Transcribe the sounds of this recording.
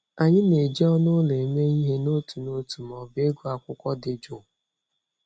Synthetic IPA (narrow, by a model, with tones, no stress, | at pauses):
a˨ɲɪ˦ne˨d͡ʒi˦ɔ˦nʊ˦le˨me˦i˦ɦe˦no˦tu˨no˦tu˨m˨ɔ˨be˦ɡu˦a˨kʷʊ˦kʷɔ˦dɪ˨d͡ʒʊ˨